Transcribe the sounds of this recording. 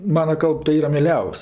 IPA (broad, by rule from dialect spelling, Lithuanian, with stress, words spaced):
ˈmɑːnɐ ˈkɐlˠp tɐɪ ˈiːrɐ mʲiɛˈlʲɛʊsʲ